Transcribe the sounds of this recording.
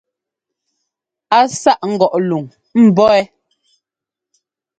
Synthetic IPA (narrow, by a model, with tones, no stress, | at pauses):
a˨sa˦ʔŋ̩˦˨ɡɔ˨ʔlu˨ŋ | m̩˨bɔ˦ɛ˦